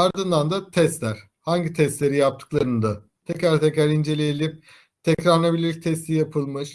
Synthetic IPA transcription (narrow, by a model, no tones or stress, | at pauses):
aɾd̪ɯnd̪and̪at̪ʰɛst̪lʲæɾ̥ | haɲɟit̪ʰɛst̪lʲe̞ɾijap̚t̪ʰɯ̥klˠaɾɯnɯd̪a | t̪ʰɛcɾaɾt̪ʰɛcɾaɾind͡ʒe̞lʲijelʲip̚ | t̪ʰɛcɾaɾnˠabilʲiɾt̪ʰɛst̪ʰijapʰɯlˠmɯʃ